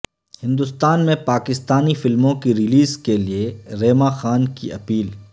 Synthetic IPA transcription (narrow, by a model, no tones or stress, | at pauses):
hɪ̃nd̪ʊst̪aːnmẽpaːkɪst̪aːnifɪlmõkiɾɪliːzkelieɾeːmaxaːnkḭʔɐpiːl